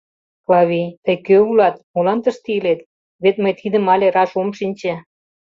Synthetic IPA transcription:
klɑβʲit̪əjkøulɑt̪molɑnt̪ə̆ʃt̪ilet̪ | βet̪məjt̪ʰid̪ə̆mɑlʲeɾɑʃomʃinʲt͡ɕĕ

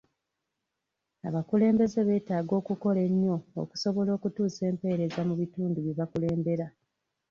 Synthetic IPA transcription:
a̰βakule̞ːmbe̞ze̞βe̞ːtaːɡo̞ːkuko̞le̞ɲːo̞̰ːku̥so̞βo̞lo̞ːkutuːse̞ːmpe̞ːɾe̞zamuβituːnduβiβakule̞ːmbe̞ɾa

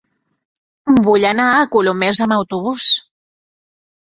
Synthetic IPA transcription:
mbuʎanaəkulomezəmawt̪uβus

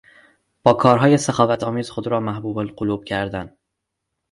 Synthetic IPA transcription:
b̥ɒːkʰɒːɾɦɒːje̞sexɒːvæt̪ʰɒːmiːz̥xod̪ɾɒːmæhbuːbolɢoluːb̥̚cʰæɾd̪æn

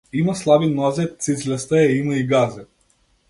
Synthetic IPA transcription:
imaslˠabinɔzɛt̪sizʲlʲɛst̪aɛimaiɡazɛ

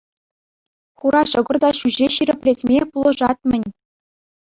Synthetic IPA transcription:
χuɾɑɕɤ̆ɡɤ̆rd̪ɑɕuʑeɕiɾʲɘ̆pʲlʲetʲmʲepulˠɤ̆ʐɑt̪̚mʲɘ̆nʲ

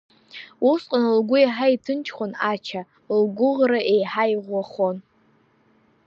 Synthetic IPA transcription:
usqʼanlɡʷʊiħaitʰɨnt͡ʃʰχʷanat͡ʃʰa | lɡʷʊʁraʔejħajʁʷaχon

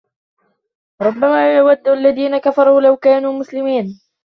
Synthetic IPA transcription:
ɾˤʊbːamaːjjawad̪ːaʔalːaðiːnakafɑɾˤuːlawkaːnuːmʊslɪmiːn

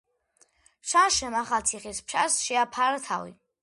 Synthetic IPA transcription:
pʃaʃɛmaχat̪sʰiχispʰʃasʃɛapʰaɾat̪ʰa̰wḭ

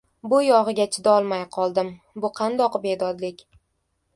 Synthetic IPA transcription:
bʊjɒʁɨɡʲat͡ʃʰɪd̪aɒlˠmajqʰɒlˠd̪ɪm | bʊqʰɑnd̪ɒqbe̞d̪ɒd̪lɪkʲ

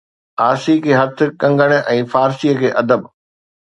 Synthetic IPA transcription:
aːsikʰeːɦɐt̪ʰɪ̆kɐ̃ŋɡəɽ̃̆ɛ̃ːfaːɾsijəkʰeːʔɐd̪əb

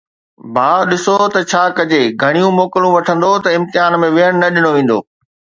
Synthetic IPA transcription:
bʱaːɗɪsot̪ɐt͡ɕʰaːkɐd͡ʑeɡʱɐɽ̃ijũmoːkɪlũʋɐʈʰə̃nd̪ot̪ɐɪ̃mt̪ɪɦaːnmẽʋɪɦəɽ̃nɐɗɪñoʋẽːn̆d̪oː

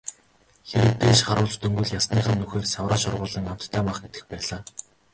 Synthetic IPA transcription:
xeɾɘ̆kt̪eːʃχaɾʊːɮt͡ɕt̪ɵŋɡŭɮjasniːχə̆mnuxeːrsawraːʃʊrʁʊːɮə̆ŋam̥t̪ʰːæːmaχɡet̪ɘ̥̆xpæːɮaː

